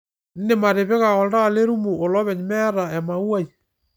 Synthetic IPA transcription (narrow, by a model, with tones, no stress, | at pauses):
n̩˦ne˦˨ma˨ɾe˨βe˦ɣa˨ɣɔ˨lda˦˨le˦ɾu˦mu˨o˨lɔ˦βɛ˨ɲ˨mɛ˦a˦ɾa˨ɛ˨ma˨u˦a˦i˨